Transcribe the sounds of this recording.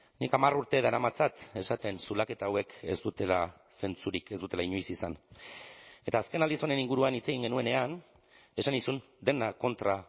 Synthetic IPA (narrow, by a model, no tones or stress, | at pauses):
nikamaruɾt̪e̞ðaɾamat͡sat̪e̞sat̪e̞nsulake̞t̪aːwe̞ke̞zd̪ut̪e̞la | se̞nt͡suɾike̞zd̪ut̪elaiɲojsisan | e̞t̪aːske̞nald̪isone̞niŋɡuɾuanit͡se̞ɣiŋɡe̞nue̞ne̞an | e̞sanisun | d̪e̞nako̞nt̪ɾa